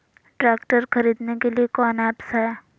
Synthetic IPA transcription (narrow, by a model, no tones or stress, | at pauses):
ʈɾaːkʈəɾxɐɾiːd̪nekeliekɔːnɛːpsɦɛː